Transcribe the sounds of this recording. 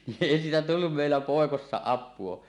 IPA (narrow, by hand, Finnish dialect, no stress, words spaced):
niʔ ʔeˑi siːtæ tulːum meˑilːæ poˑekosːɑ ɑpˑuo